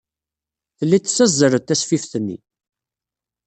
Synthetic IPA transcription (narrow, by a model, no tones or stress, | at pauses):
θəlːiə̥t͡sːæzːəɾət̪ːæsfifθənːḭ